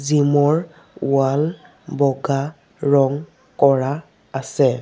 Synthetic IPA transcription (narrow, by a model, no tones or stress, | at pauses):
zimɔɹ | wal | bɔɡa | ɹɔŋ | kɔɹaː | sɛ